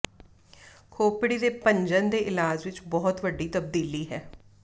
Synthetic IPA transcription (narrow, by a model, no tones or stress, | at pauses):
kʰoːpɽiːd̪eːpəɲd͡ʒənd̪eːʔɪlaːd͡ʒʋɪt͡ʃbɔːt̪ʋəɖːiːt̪əb̚d̪iːliːɦɛː